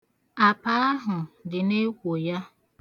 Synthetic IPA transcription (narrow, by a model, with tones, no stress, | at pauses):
a˨pa˦a˦ɦʊ˨dɪ˨ne˦kʷo˨ja˦